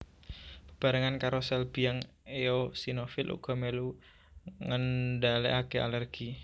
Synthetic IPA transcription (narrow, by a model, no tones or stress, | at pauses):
b̥ə̥b̥a̤ɾəŋankaɾosɛlb̥i̤jaŋ | eosinofɪlʔṵɡ̥ɔ̤melu | ŋənɖaleʔakea̰lərɡ̥i